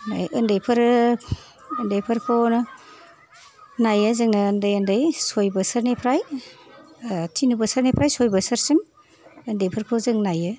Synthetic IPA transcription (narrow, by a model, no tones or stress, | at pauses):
na̰jʔɯndejpʰɯɾ | ndajpʰɯɾpʰon | najɯzɯŋnɯːndɯjɯndɯjsojbɐsɯɾnepʰɾaj | tʰinubɐsɐɾnepʰɾajsojbɐsɐɾsim | ɯndejpʰɯɾpʰozɯŋnajɯ